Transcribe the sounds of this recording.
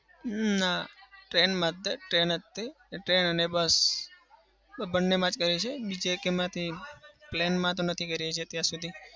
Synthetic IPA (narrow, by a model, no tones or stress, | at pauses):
naʈɾenmãt̪ːeʈɾenət̪ːe | ʈɾenənebəs | bənːemãt͡ʃkəɾit͡ʃʰebid͡ʒekemãt̪ʰiplenmãt̪õnət̪ʰikəɾet͡ʃʰet̪jãsud̪ʱi